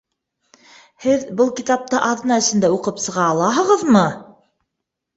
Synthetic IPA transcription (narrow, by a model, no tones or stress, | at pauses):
hɘðbɤlˠkit̪ɑp̚t̪ɤʔɑðɤ̆nɑɘ̆sɘ̆nd̪æuqɤpsɤ̆ʁɑːlˠɑɦɤ̆ʁɤ̆ðmɤ